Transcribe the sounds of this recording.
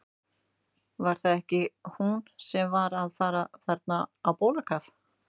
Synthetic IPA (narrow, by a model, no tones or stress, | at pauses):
vaɾ̥θaðɛhcɪhunsɛmvaɾaðfaːɾaθɛɾt̪naːwpoːwlakʰaf